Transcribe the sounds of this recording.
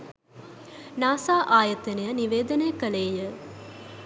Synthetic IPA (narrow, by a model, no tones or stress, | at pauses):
naːsaːʔaːjət̪ənejəniʋeːd̪ənəjəkəleːjə